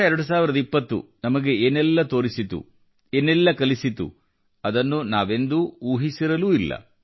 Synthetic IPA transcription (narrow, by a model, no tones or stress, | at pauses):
ɐɛɾɐɽus̬aːʋiɾɐd̪ɐipːɐt̪ːṵnɐmɐɡe̞eːnɛlːɐt̪o̞ːɾisit̪ṵ | eːnɛlːɐkɐlisit̪ṵ | ɐd̪ɐnːunaːʋe̞nd̪uuːɦisiɾɐluːilːɐ̰